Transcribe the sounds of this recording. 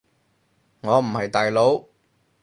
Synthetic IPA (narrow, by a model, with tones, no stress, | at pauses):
ŋɔː˨˧m̩˨˩hɐ˨jt̪aː˨jlo˨˥w